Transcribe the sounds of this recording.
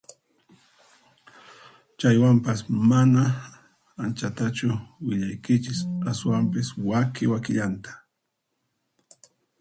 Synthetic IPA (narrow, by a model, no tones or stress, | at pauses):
t͡ʃajwampasmana | ant͡ʃat̪at͡ʃʊwɪʎajkɪt͡ʃɪsaswampɪswakɪwakɪʎant̪ḁ